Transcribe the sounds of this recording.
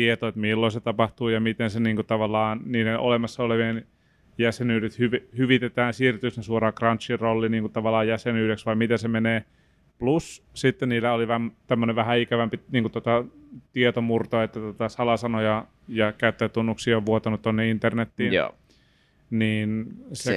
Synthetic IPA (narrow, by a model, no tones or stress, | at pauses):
t̪iet̪oet̪milːoiset̪ɑpɑht̪uːjɑmit̪enseniːŋkut̪ɑʋɑlːɑːnniːneʔolemɑsːɑoleʋien | jæsenyːɾet̪hyʋihyʋit̪et̪æːnsiːrt̪ysnesuoɾɑːkrɑnt͡ʃːirrolːiniːŋkut̪ɑʋɑlːˑɑːjæsenyːɾeksʋɑimit̪esemeneː | plussit̪ːenniːlːæoliʋæmt̪æmːøneʋʋæhæikæʋæmpiniːŋkut̪ot̪ɑt̪iet̪omurt̪oet̪ːæt̪ot̪ɑsɑlɑsɑnojɑ | jɑkæyt̪ːeːt̪ːunːuksiːoʋʋuot̪ɑnut̪t̪ːonːeint̪ernet̪ːiːn̰ | niːnse